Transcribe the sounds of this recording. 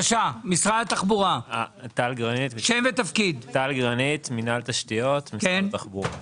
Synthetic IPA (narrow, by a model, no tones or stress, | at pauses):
ʃamisʁadat̪aχbuʁaat̪alɡʁanit̪ʃemvet̪afkid̪t̪alɡʁanit̪minalt̪aʃt̪ijot̪mikentaχbuʁa